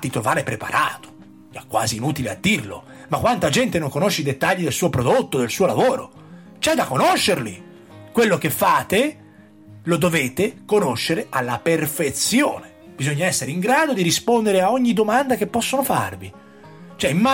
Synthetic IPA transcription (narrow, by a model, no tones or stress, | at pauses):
t̪ːit̪ɾovaːɾepɾepa̰ɾʔaːt̪o̥ | ɛkːwa̰ːziːnuːt̪ilea̰d̪ːirlo̰ | makwant̪ad͡ʒɛnt̪enoŋkonoʃːeid̪et̪ːaʎːid̪elsuːopɾod̪ot̪ːod̪elsuːolavoːɾo | t͡ʃɛd̪ːakːonoʃːerli | kwelːok̟efːaːt̪e | lod̪oveːt̪ekonoʃːeɾeʔalːaperfet̪sjoːne | b̥izoɲːaɛsːeɾeiŋɡɾaːd̪od̪iɾispond̪eɾeaɔɲːid̪omand̪ak̟epːɔsːonofa̰rvi | t͡ʃoɛimːa